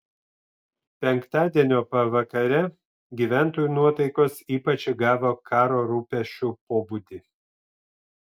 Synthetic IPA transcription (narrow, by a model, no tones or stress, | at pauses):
pʲɛŋkt̪ɑːd̪ʲiɛnʲoːpɐʋɐkɐɾʲɛ | ɡʲiːʋʲæˑnt̪oːjunuɔt̪ɐɪkoːsiːpɐt͡ʃʲɡɑːʋoːkʰɑːɾoːɾuːpʲɛʃʲt͡ʃʲupoːbuːd̪ʲi